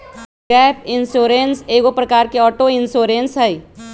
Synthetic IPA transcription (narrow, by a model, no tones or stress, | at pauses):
ɡɛːpɪnsoːɾenseːɡopɾɐkaːɾkeɔːʈoɪnsoːɾẽnsɦɛi